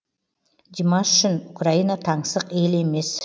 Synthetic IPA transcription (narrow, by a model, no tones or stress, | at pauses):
d̪ʲimɑʃʏʃɪnʊkrainɑt̪ʰɑɴsəqe̞le̞me̞s